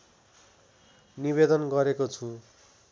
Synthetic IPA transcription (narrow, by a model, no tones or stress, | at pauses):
nibed̪ʌnɡʌɾekot͡sʰu